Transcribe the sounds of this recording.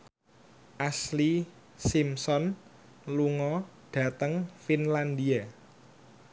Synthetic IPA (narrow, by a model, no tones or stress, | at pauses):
ʔasli | simsɔn | luŋɔɖ̥ä̤t̪əŋfinland̪ia